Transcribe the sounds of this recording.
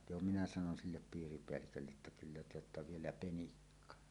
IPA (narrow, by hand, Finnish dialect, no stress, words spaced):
jo minæ sɑnon silːep piːripeælːikølːeʔ ʔetːæ kylːæ te otːɑ ʋielæ penikːɑ